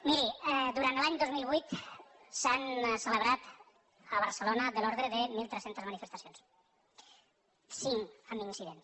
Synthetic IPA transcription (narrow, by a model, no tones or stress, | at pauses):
miɾiɛd̪uɾant̪laɲd̪ozmilˠβujt̪sansələβɾat̪ | əβəɾsəlonəðəlɔɾðɾeðəmilˠt̪ɾesent̪əzmənifəst̪əsjons | siŋəminsiðens